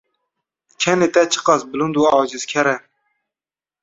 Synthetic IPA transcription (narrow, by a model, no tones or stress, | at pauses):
kʰɛnet̪ɛt͡ʃʰə̥qɑsbɨlund̪uɑɑːd͡ʒizkʲʰɛɾɛ